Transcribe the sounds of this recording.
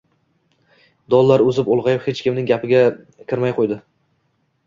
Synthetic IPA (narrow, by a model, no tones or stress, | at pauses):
d̪ɒlˠːaɾɵzɪpolˠʁɑjɪphet͡ʃkʲɪmnɪŋɡʲapʰɪɡʲa | kʲʰɪɾmajqʰojd̪ɪ